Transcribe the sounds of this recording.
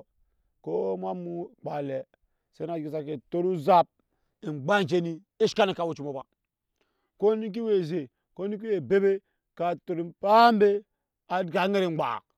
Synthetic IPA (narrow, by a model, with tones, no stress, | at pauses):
ko˦m˦a˦mu˦k͡pa˨le˨ | se˦na˨d͡ʒɡi˨sa˨ke˨to˦ɾu˦za˦p̚ | i˨ŋ͡mɡ͡ba˦˨d͡ʒe˦ni˦ | i˦ʃka˦ni˨ka˨wo˦t͡ʃi˨mo˨ba˨ | ko˦ni˦k̬i˦we˨ze˨ | ko˦i˦k̬i˦we˨be˦be˦ | ka˨to˨ɾi˨m˨pa˦m˦be˦ | a˨˦dɡa˨˦ŋe˦ɾi˦˨ŋ͡mɡ͡ba̰˨